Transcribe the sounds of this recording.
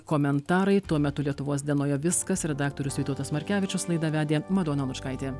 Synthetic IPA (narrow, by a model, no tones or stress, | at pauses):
koːmʲɛnt̪ɑːɾɐɪt̪uɔmʲɛt̪ʊlʲiɛt̪ʊʋoːs̬ʲd̪ʲiɛnoːjɛʋʲɪskɐsɾʲɛd̪ɑːk̚t̪oːɾʲʊsʋʲɪːt̪uɔt̪ɐsmɐɾʲkʲæːʋʲɪt͡ʃʲʊslˠɐɪd̪ɐʋʲæːd̪ʲeːmɐd̪oːnɐlˠʊt͡ʃkɐɪt̪ʲeː